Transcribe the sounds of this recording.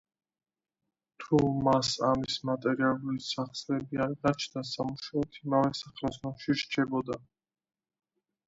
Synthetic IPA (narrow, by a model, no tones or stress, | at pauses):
t̪ʰumasamismat̪ʼɛɾialˠulisaχsʼlɛbiaɾɡat͡ʃʰnasamuʃaɛt̪ʰimavɛsaχlasnɔmʃiɾt͡ʃʰɛbɔd̪a